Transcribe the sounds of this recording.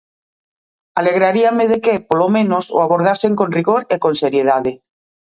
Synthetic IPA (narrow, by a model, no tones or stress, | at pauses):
aleɣ̞ɾaɾiameðekepolomẽnoso̰aβoɾð̞aseŋkonriɣoɾekonseɾjeð̞aðe